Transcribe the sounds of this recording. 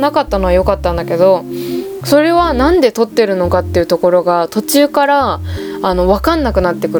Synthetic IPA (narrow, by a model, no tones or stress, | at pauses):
nakat̪ːano̞βajo̞kat̪ːãnd̪ake̞d̪o̞so̞ɾe̞βanãnd̪e̞t̪o̞t̪ːe̞ɾɯ̟no̞kat̪ːe̞iɯ̟t̪o̞ko̞ɾo̞ɡat̪o̞t͡ɕɨːkaɾaː | no̞βakãnːakɯ̟nat̪ːe̞kɯ̟ɾ